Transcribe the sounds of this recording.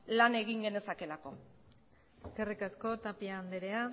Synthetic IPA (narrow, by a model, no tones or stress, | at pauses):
lane̞ɣiŋɡe̞ne̞sake̞lako̞ | eske̞rikasko̞t̪apiaːnd̪eɾe̞a